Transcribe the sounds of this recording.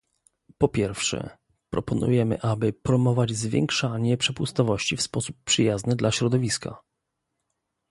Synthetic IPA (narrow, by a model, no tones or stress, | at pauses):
pɔpʲjɛɾfʂɛ̰ | pɾɔpɔnṵjɛmɘ̰ʔabɘpɾɔmɔvad͡ʑzvʲjɛ̰ŋkʂaɲɛpʂɛpust̪ɔvɔɕt͡ɕifspɔsupːʂɘjaznɘd̪laɕɾɔd̪ɔvʲiska̰